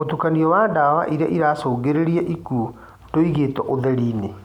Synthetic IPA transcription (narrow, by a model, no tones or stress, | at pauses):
otukaniɔwaːdawa̰ʔiɾeaʔiɾasoːɡeɾeɾiɛʔiku | toiɣeːtɔʔoðɛɾiːne